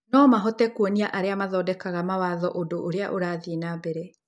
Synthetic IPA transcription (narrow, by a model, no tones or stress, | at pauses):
nɔmaɦɔtɛkwɔniaʔaɾeamaðɔːdɛkaɣamawaːðɔʔodoʔoɾea̰ʔoɾaːðinabɛɾɛ